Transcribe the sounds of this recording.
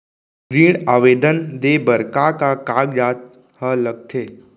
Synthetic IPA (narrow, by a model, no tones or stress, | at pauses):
ɡɾiːɽaːʋeːd̪ənd̪ebəɾkakakaːɡd͡ʒaːt̪̚ | hələɡ̚t̪ʰeː